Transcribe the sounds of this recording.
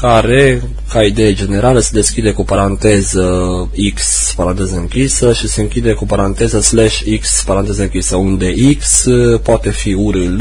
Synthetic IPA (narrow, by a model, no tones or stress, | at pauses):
kaɾe̞ | kaid̪e̞jad͡ʒe̞ne̞ɾaləsed̪e̞skʲid̪e̞kupaɾant̪e̞zə | iks | paɾant̪e̞zəɨŋkʲisəʃise̞ɨŋkʲid̪e̞kupaɾant̪e̞zəslaʃikspaɾant̪e̞zəɨŋkʲisəund̪e̞ʔikspoat̪e̞fiuɾɨl